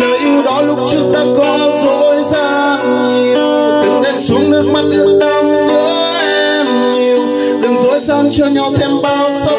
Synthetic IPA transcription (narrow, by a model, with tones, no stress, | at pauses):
ləː˨˩jʔi˧əwɗɔ˨˦lʊ˦˥k͡p̚t͡ɕɨ˦˥ək̚ɗa̰ː˧˥kɔ˨˦zo˧˥jzaː˧ | n | ɲi˨˩əw | ɗɨ˨˩ŋɗɛ˧˩msu˨˦ŋ͡mnɨ˦˥ək̚ma˨˩t̚ʔɨ˦˥ək̚ɗə˧˩mvəː˧˥ | ʔɛɛ˧ | m | ɲi˨˩əw | ɗɨ˨˩ŋzo̰˧˥jzaː˧nt͡ɕɔ˧ɲɔ˨˩t̪ʰɛ˧mɓaː˧wsa˧˦